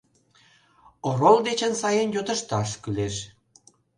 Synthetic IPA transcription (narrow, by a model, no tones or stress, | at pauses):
oɾolˠd̪et͡ɕənsɑjenjot̪ə̆ʃt̪ɑʃkyleʃ